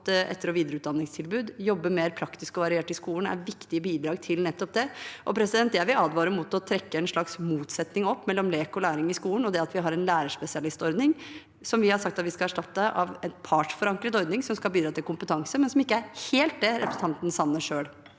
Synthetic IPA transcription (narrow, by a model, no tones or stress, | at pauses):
t̪ʔɛ̰t̪ːəɾɔʋiːd̪əɾəʉːt̪d̪ɑnːɪŋst̪ʰɪlbʉːd̪jɔbːəmeːɾpʰɾɑkt̪ɪskɔʋɑɾɪeːʈːɪlskuːlən̩æ̰ɾʋɪkt̪ɪəbiːd̪ɾɑːɡ̚t̪ʰɪlnɛt̪ːɔp̚d̪ɛʔɔpʰɾɛsɪd̪ɛnt̪jɛʋɪɑːd̪ʋɑːɾəmʊt̪ɔt̪ʰɾɛkːəɛnʂɭɑksmuːt̪sɛt̪nɪŋɔpːmɛlːɔmleːkɔlæːɾɪŋɪskuːlən̩ɔd̪ɛɑt̪ʋɪɦɑɾɛnlæːɾəʂpɛsɪɑlɪst̪ɔɾd̪nɪŋ | sɔmʋɪhɑʂɑk̚t̪ɑt̪ʋɪskɑæʂʈɑt̪ːəʔɑ̰ʋɛt̪pʰɑːʈʂfɔɾɑŋkɾət̪ɔɾd̪nɪŋsɔmskɑlbiːd̪ɾɑːt̪ɪlkʰʊmpət̪ʰɑŋsəmɛnsɔmɪkːəæɾheːlt̪̚d̪ɛɾɛ̰pɾsn̩t̪ɑnt̪n̩sɑnːəʂøːɽ